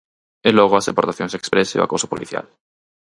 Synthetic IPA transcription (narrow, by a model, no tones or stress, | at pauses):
elɔɣ̞oazepoɾt̪aθjõŋsekspɾesḛo̰a̰koso̥poliθja̰l